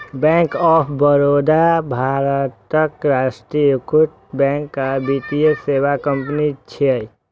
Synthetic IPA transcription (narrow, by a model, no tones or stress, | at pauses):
bɛ̃ːŋkɔːpʰbəɾoːd̪abʱaːɾət̪ːəkɾaːʃʈɾikʊʈ̪̚ | bɛ̃ːŋkːabiːt̪ieseːwakə̃mpnit͡ʃʰɛ